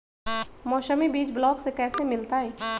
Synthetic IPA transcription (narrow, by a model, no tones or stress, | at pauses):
mɔːʃəmibiːt͡ʃblɔːksekɛːsemɪlt̪aɦɛː